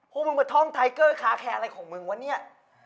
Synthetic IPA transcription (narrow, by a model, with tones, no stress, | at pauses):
pʰuː˧˩mɯ˧maː˧˦t̪ʰɔ˥˩ŋt̪ʰa˧jkɤː˥˩kʰaː˦˥˩kʰɛː˧ʔa˧ɾa˧jkʰɔː˨˩˦ŋmɯ˧ŋwa˧nːi˥˩ɐ